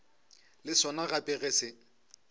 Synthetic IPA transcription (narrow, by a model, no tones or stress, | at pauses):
lɪsɔnaɣapʼɪɣesɪ